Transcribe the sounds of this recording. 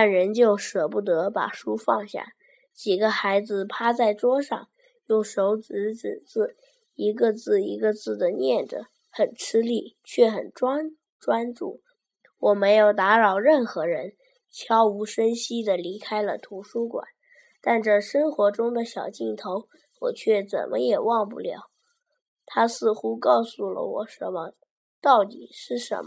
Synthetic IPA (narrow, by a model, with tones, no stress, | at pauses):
t̪a˥˩nɻə˧˥nt͡ɕjo˥˩ʊʂɤ˨˩pu˥˩t̪ɤ˧˥pa̰˨˩ʂu˥fɑ˥˧ŋɕja̰˥˩ | t͡ɕi˨˩ɡə˧˦xa˧˥ɪd͡zɹ̩˧pʰa˥t͡sa˥˩ɪʈ͡ʂwɔ˥ʂɑ̰˥˧ŋ | jʊ˥˩ŋʂo˧˥ʊt͡s̩˧˥ʈ͡ʂɻ̩˨˩t͡sɹ̩˥˩ | i˧˥ɡə˧t͡sɹ̩˥˩i˧˥ɡə˧t͡sɹ̩˥˩d̪ə˩njɛ˥˩nʈ͡ʂə̰˨˩ | xə˨˩nʈ͡ʂʰɻ̩˥li˥˩t͡ɕʰɥɛ˥˩xə̰˨˩nʈ͡ʂwa˥n | ʈ͡ʂwa˥nʈ͡ʂṵ˥˩ | wɔ˨˩me˧˥ɪjo˨˩ʊt̪a˧˥ɻɑ˨˩ʊɻə˥˩nxɤ˧˥ɻə˧˥n | t͡ɕʰjɑ˥ʊu˧˥ʂə˥nɕi˥d̪ə˨li˧˥kʰa˥ɪlə˨t̪ʰu˧˥ʂu˥kwa̰˨˩˦n | t̪a˥˩˧nʈ͡ʂə˥˩ʂə˥ŋxwɔ˧˥ʈ͡ʂʊ˥ŋd̪ə˨ɕjɑ˨˩ʊt͡ɕi˥˩ŋt̪ʰo˧˥ʊ | wɔ̰˨˩t͡ɕʰɥɛ˥˩t͡sə̰˨˩nmʔə˦jɛ˨˩wɑ˥˧ŋp̬ṵ˥˩ljɑ̰˧˥˦ʊ | t̪ʰa˥sɹ̩˥˩xu˥kɑ˥˧ʊsu˥˩lə̰˩wɔ̰˨˩ʂə˧˥nmə˧ | t̪ɑ˥˩ʊt̪ḭ˨˩ʂɻ̩˥˩ʂə̰˧˥nmə˧˩